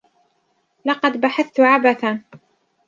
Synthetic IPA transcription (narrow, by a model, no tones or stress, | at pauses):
lɑqɑd̪baħaθt̪ʊʕabaθa